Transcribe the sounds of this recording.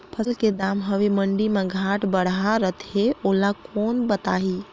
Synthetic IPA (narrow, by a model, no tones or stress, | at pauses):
pʰəslked̪amɦəʋeməɳɖimeɡʱaʈbəɽaɾət̪ʰeolakonbət̪aɦi